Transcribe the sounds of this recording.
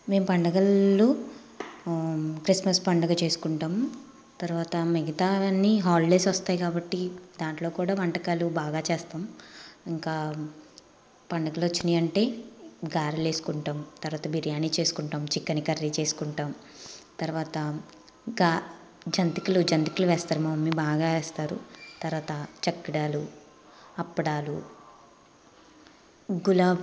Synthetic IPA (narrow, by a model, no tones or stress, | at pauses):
me̞ːmpɐɳɖɐɡɐlːu | kɾismɐspɐɳɖɐɡɐt͡ʃe̞ːsu̥kuɳʈaːm | t̪ɐɾʋaːt̪ɐmeɡɐt̪aːnːiɦaːlleːsʋɐst̪aːjkaːbɐʈːid̪aːɳʈlo̞ːkuːɽaːʋɐɳʈɐkaːlubaːɡaːt͡ʃɛːst̪aːmiŋkaː | pɐɳɖɐɡɐlʋɐt͡ʃːind̪iɐɳʈe̞ːɡaːɾile̞ːsu̥kuɳʈaːmt̪ɐɾʋaːt̪ɐbiɾjaːniːt͡ʃe̞ːsu̥kuɳʈaːmt͡ʃikːɐnikɐɾːiːt͡ʃe̞ːsu̥kuɳʈaːm | t̪ɐɾʋaːt̪ɐ | ɡaː | d͡ʒɐnt̪ikɐlud͡ʒɐnt̪i̥kluʋɛːst̪aːɾumɐmɐmːibaːɡaːʋɛːst̪aːɾṵt̪ɐɾʋaːt̪ɐt͡ʃɐkːiɽaːlu | ɐpːɐɽaːlu | ɡulaː